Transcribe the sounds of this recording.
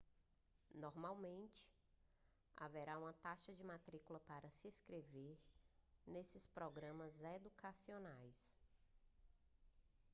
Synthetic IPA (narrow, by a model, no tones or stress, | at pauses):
nɔɾmawmẽnt͡ʃɪ̥ | a̰vɛɾaũmɐt̪aʃɐd͡ʒɪmat̪ɾikulɐpaɾɐsɪeskɾeveɾnesɪspɾɔɡɾɐ̃mɐzed̪ukʰasionajs